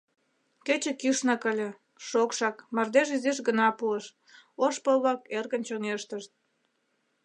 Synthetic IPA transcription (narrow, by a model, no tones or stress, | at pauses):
ket͡ɕĕkyʃnɑkəlʲĕ | ʃokʃɑkmɑrd̪eʒizeʃɡənɑpueʃ | oʃpəβlɑkerɣənt͡ɕoŋeʃt̪əʃt̪̚